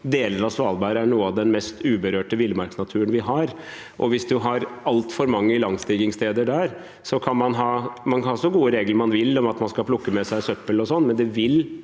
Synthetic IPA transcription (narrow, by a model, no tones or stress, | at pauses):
d̪eːləɾɑsʋɑːlbæːɾəæɳuːəɑʋd̪ɛnmɛst̪ʰʉːbəɾøːʈəʋɪlmɑɾksnɑt̪ʰʉːənʋɪɦɑɾ | ʔɔ̰ʋɪsd̪ʉɦɑɾɑlt̪fɔɾmɑŋːəɪlɑŋːst̪iːɡɪŋst̪ʰeːd̪əɖæɾ | sɔkʰɑnmɑnɦɑːmɑnkʰɑnhɑsɔɡuːəɾeːɡləɾmɑnʋɪlːɔmɑt̪mɑnskɑlpʰlʊkːəmɛsæɪsœpːəlɔsɔnːmɛnd̪ɛʋɪl